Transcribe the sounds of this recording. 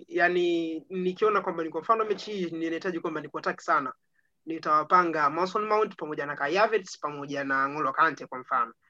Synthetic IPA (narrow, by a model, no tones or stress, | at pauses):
janinikiɔnakwambanikwam̩fanɔmɛt͡ʃiininahitaʄikwambanikuataki̥sana | nitawapaŋɡamasɔnmawuntpamɔʄanakajavɛtspamɔʄanaŋɔlɔkantɛkwam̩fanɔ